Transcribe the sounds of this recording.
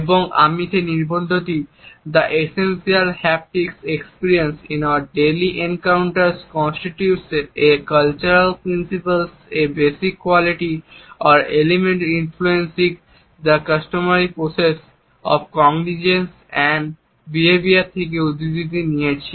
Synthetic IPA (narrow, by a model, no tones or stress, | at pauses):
eboŋa̰mit̪ʰeniɾbʱõnd̪ʱot̪id̪ɐʔesensiəlhɛp̚ʈeksekspiɾiənsĩnaʊəɾɖeliʔẽnkaʊɳʈəɾskɔ̃nsʈiʈjuʈseekʌlt͡ɕuɾəlpɾinsipəlsebesikːwɔliʈiɔɾelemẽɳʈinfluensiɡ | d̪əkəsʈomaɾipɾoses | ɔ̰bkɔŋɡnid͡ʑens | ɛɳɖ | biebiat̪ʰek̬eud̪id̪it̪̬inijet͡ɕʰi